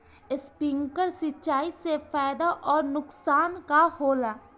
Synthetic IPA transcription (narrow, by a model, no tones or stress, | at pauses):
ɪspɪ̃ŋkəɾsɪt͡ʃaːisefaːjd̪aʔɔːɾnʊksaːnkahoːlaː